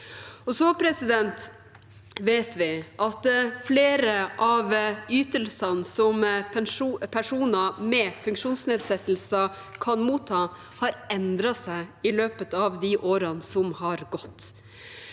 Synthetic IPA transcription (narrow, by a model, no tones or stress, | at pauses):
ɔsɔpʰɾɛsɪd̪ɛnt̪ | ʋeːt̪ʋɪʔɑt̪fleːɾəʔɑʋyːt̪əlsɑnsɔm | pʰæʂuːnəmɛfʉŋkʂuːnsneːd̪sɛt̪l̩sə | kʰɑnmuːt̪ʰːɑː | hɑːɾɛnd̪ɾɑsæɪɪløːpət̪ɑʋd̪ɪʔoːɾənsɔmhɑɾɡɔt̪ː